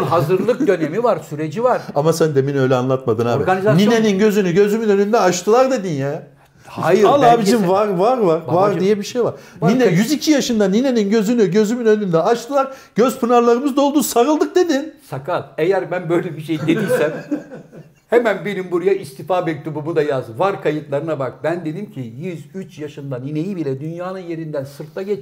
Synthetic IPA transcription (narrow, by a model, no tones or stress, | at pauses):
ɦazɯɾlˠɯk̚d̪ø̞nemivaɾsyɾed͡ʒivaɾamasænd̪eminø̞jlʲɛanlˠat̪mad̪ɯna̰ːbiɾɡanizanineninɟø̞zynyɟø̞zymynø̞nynd̪ɛat͡ʃt̪ʰɯlˠaɾd̪e̞d̪injaː | hajɯɾlˠaːbiimvaɾvaɾvaɾvaɾd̪ijɛbiʃejvaɾ | ninɛjyzicʰijaʃɯnd̪anine̞ninɟø̞zynyɟø̞zymynønynd̪ɛat͡ʃt̪ʰɯlˠaɾɟ̥øz̥pʰɯnaɾlˠaɾɯmɯzd̪o̞lˠd̪uːsaɾɯlˠd̪ɯk̚d̪e̞d̪insakʰalˠejæɾbænbøjlʲɛbiʃejd̪e̞d̪ijsæm | hemænbenimbuɾujaʔist̪ifaːbɛc̚t̪ʰubumud̪ajazvaɾkʰajɯt̪lˠaɾɯnabak̚bænd̪e̞d̪imcʰijyzyt͡ʃjaʃɯnd̪aninejibilʲɛd̪ynjaːnɯnje̞ɾind̪ænsɯɾt̪ʰːaɟɛt͡ʃ